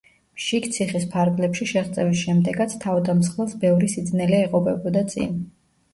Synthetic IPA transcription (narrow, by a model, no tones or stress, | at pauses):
mʃikt̪sʰiχispʰaɾɡlɛpʃiʃɛχt̪sʼɛvisʃɛmd̪ɛɡat̪sʰt̪ʰavd̪amsχɛlˠsbɛvɾisid̪znɛlɛɛqʼɔpɛbɔd̪at̪sʼḭn